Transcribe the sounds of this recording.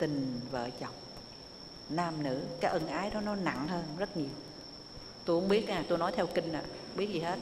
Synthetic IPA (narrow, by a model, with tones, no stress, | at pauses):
t̪ï˨˩ŋ̟və̰ː˧˨t͡ɕə˨˩wŋ͡m | naː˧˩mnɨ̰˧˥kaː˨˦jʔə˧˩nʔaː˨˦jɗɔ˨˦nɔ˨˦na̰˧˨ŋhəː˧nzə˦˥t̚ɲi˨˩əw | t̪o˧jhʊ˧˥ŋ͡mɓi˦˥ət̚ʔaː˨˩t̪o˧jnɔ˨˦jt̪ʰɛ˧wkï˧ŋ̟ʔa̰ː˧˨ | ɓi˦˥ət̚zi˨˩he˦˥t̚